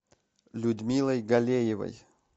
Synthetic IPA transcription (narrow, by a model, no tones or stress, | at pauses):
lʲʊd̪mʲilˠɐjɡɐlʲejɪvə̰j